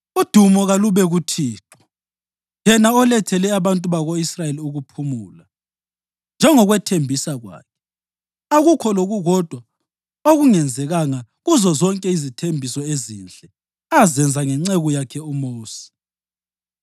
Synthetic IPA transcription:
ud̥ʱumɔɣaluβɛɣutʰiːtʰɔ̥ | jɛnaɔlɛtʰɛlɛaβantʼuβaɣoisrajeliuɣupʰumuːla | nd͡ʒʱɛŋɔɣwɛtʰembʱisaɣwa̰ːkʰɛ̥ | aɣukʰɔloɣuɣɔd̥ʱwa | oɣuŋɛnd͡zʱɛɣaŋaɣuzɔzɔŋkʼɛizitʰembʱisɔezind͡ɮʱʼɛ | azɛnd͡zʱaŋɛŋ͡ǀɛɣujakʰɛumoːsi̥

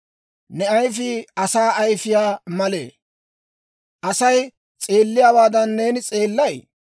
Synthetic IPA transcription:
nɛɐjfɪɐsaːʔɐjfɪjaːmɐlḛː | ʔɐsɐj | t͡sʼeːlːɪjaːwaːd̪ɐnːe̞ːnɪt͡sʼe̞ːlːɐj

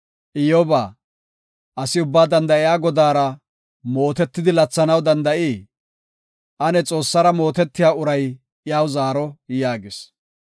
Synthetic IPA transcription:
ʔɪjɔbaː | ʔɐsɪʊbːaːd̪ɐnd̪ɐʔɪjaːɡɔd̪aːɾɐ | mo̞ːt̪ɛt̪ːɪd̪ɪlɐt͡sːɐnɐwd̪ɐnd̪ɐʔiː | ʔɐnɛt͡sʼo̞ːsːɐɾɐmo̞ːt̪ɛt̪ːɪjaːʊɾɐj | jaːwzaːɾɔjaːɡɪs

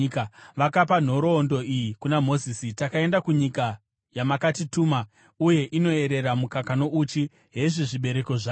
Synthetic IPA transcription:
kʋakapan̤o̞ɾo̞ːndo̞ijikunamo̞ziːsitakae̞ndakuɲika | jamakatituːma | uje̞ʔino̞e̞ɾe̞ramukakano̞ut͡ʃi | ɦe̞ʐiʐiɓe̞ɾe̞ko̞ʐaː

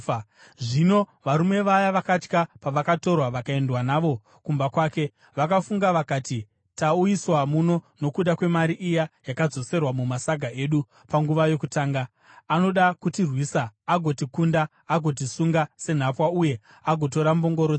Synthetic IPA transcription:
ʐino̞ʋaɾume̞ʋajaʋakat͡ʃkapaʋakato̞rwaʋakae̞ndwanaːʋo̞ | kumbakwaːke̞ | ʋakafuŋɡaʋakaːti | taujiswamuno̞no̞kuɗakwe̞maɾiʔijajakad͡zo̞se̞rwamumasaɡʱaʔe̞ɗu | paŋɡuʋajo̞kutaːŋɡaː | no̞ɗakutirwisaːɡʱo̞tikundaː | ɡʱo̞t̬isuŋɡase̞n̤apwauje̞ | aɡʱo̞t̬o̞ɾambo̞ŋɡo̞ɾo

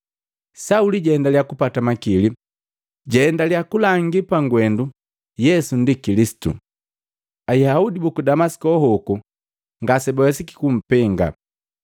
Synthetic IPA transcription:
sauliɟɛɛndaljakupatamakili | ɟɛːndaljakulaŋɡipaŋɡwɛndu | jɛsundikilisi̥tṵ | ajaudibukudamasi̥kɔɦɔku | ŋɡasɛbɔjasiki̥kum̩pɛŋɡa̰

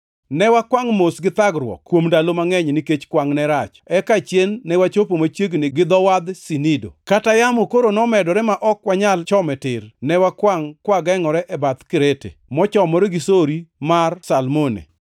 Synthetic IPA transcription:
nɛwakwaŋmosɡɪt̪aɡɾwɔ̰kːwomdalomaŋɛɲnɪket͡ʃkwaŋnɛɾat͡ʃɛkat͡ʃjenːɛwat͡ʃopomat͡ʃjeɡnɪɡɪd̪ɔwad̪sinido̰katajamokoɾonɔmɛdɔɾɛmaʔɔkwaɲalt͡ʃɔmɛtɪɾnɛwakwaŋkwaɡɛŋɔɾɛʔɛbat̪kɪɾetḛmɔt͡ʃɔmɔɾɛɡɪsoɾimarsalmonḛ

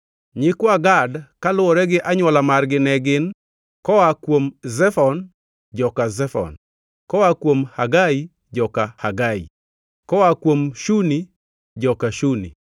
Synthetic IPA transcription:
ɲɪkwaɡadkalʊɔɾɛɡɪʔaɲwɔlamarɡɪnɛɡɪn | kɔwakwomzɛfɔn | d͡ʒɔkazɛfɔ̰n | kɔwakwomhaɡai | d͡ʒɔkahaɡaḭ | kɔwakwomʃuni | d͡ʒɔkaʃunḭ

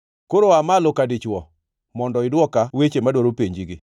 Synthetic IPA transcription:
koɾoamalokadit͡ʃwɔ | mɔndɔɪdwɔkawet͡ʃemadwɔɾopeɲd͡ʒiɡɪ

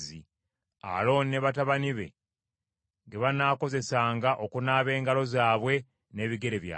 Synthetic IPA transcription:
ḭ | a̰lo̞ːnneβataβaniβe̞̰ | ŋɡe̞βanaːko̞ze̞saːŋɡaʔo̞kunaːβe̞ːŋɡalo̞zaːβwe̞ | ne̞ːβiɡe̞ɾe̞βja̰

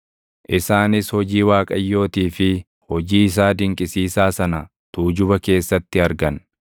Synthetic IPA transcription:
ʔɪsaːnɪshɔd͡ʒiːwaːkʼɐjːo̞ːt̪iːfɪ | hɔd͡ʒiːɪs̬aːd̪ɪŋkʼɪsiːsaːsɐnɐ | t̪uːd͡ʒʊbɐke̞ːsːɐt̪ːɪɐɾɡɐn

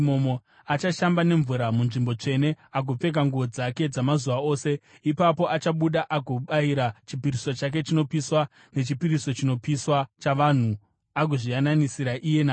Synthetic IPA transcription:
momo̞ | at͡ʃaʃambane̞ɱvuɾamunʐimbo̞t͡ʂe̞ne̞ak̬up͡fe̞k̬aŋɡuʋo̞d͡zake̞d͡zamazuʋao̞ːse̞ | ipapo̞ʔat͡ʃaɓuɗaʔakuɓaiɾat͡ʃipiɾiso̞t͡ʃak̬e̞t͡ʃino̞piswa | ne̞t͡ʃipiɾiso̞t͡ʃino̞piswat͡ʃaʋan̤u | ak̬uʐijananisiɾaʔije̞naː

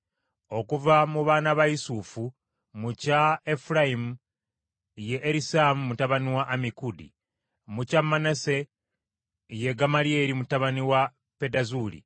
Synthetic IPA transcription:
o̞kuvamuβaːnaβaisufu | mucaefuɾaimu | jeʔːɾisamumutaβaniwaʔːmikudḭ | mucamːanase̞ | je̞ɡamalie̞ɾimutaβaniwa | pe̞dazulḭ

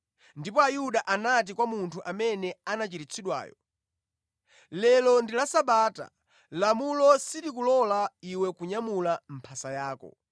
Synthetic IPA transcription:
ndipɔajuɗaʔanat̬ikwamuntʰuʔamɛnɛanat͡ʃiɾit͡sʰiɗwa̰ːjɔ̰ | lɛlɔndilasaɓaːta̰ | lamulɔsitikulɔlaiwɛkuɲamulam̩pʰasajaːkɔ̰

